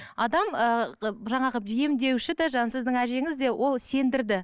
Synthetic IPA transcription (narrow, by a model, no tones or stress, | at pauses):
ɑd̪ɑməʒɑɴɑʁəijemd̪e̞wʃɪd̪ɑʒɑnsɪzd̪ɪŋæʒe̞ŋɪzd̪e̞wʔo̞lˠse̞nd̪ɪɾd̪ɪ